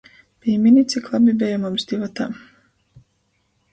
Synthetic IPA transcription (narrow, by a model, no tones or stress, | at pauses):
b̥ijminʲit̪siklˠabibɛjamumsd̪ʲivat̪aː